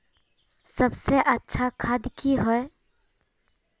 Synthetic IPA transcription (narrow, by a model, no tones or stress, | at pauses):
səbseʔətːʃʰakʰad̪kiɦoe